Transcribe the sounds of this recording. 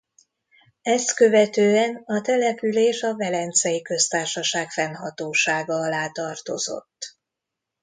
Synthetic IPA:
ɛst̪kø̞vɛt̪øːɛnɒt̪ɛlɛpyleːʃɒvɛlɛnt̪sɛjikø̞st̪aːrʃɒʃaːkfɛnɦɒt̪oːʃaːɡɒɒlaːt̪ɒrt̪o̞̰zo̞̰t̪ː

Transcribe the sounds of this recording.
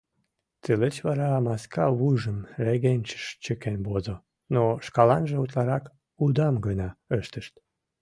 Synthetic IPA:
t͡selet͡ɕβɑɾɑmɑskʰɑβujʒəmreɣenʲt͡ɕə̥ʃt͡ɕəkenbozo | noʃkɑlɑnʒĕut̪lɑɾɑk | ud̪ɑmɡənɑøʃt̪əʃt̪̚

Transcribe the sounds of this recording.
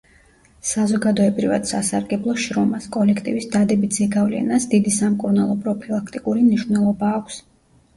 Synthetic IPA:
sazɔɡad̪ɔɛbɾiva̰d̪̥sasaɾɡɛblˠɔʃɾɔmaskʼɔlɛkʰt̪ʼḭvisd̪ad̪ɛbid̪z̥ɛɡavlɛ̰nasd̪id̪isamkʼuɾnalˠɔpʰɾɔpʰilˠakʰt̪ʼikʼuɾimniʃvnɛlˠɔbaːkʷʰs

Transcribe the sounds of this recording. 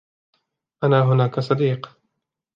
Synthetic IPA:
ʔanaːɦʊnaːkasˤɑd̪iːq

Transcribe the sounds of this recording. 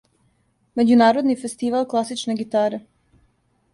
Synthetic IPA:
me̞d͡ʑunaːɾod̪nifest̪iʋalˠklˠasit͡ʃneɡit̪aːɾe

